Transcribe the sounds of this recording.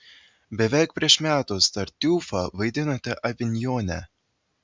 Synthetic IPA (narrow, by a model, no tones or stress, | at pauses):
bʲɛʋʲɛˑɪk̚pʲɾʲiɛʃmʲæːt̪ʊst̪ɐɾʲt̪ʲuːfɐʋɐɪd̪ʲɪnoːt̪ʲɛʔɐʋʲɪnʲjoːnʲɛ̰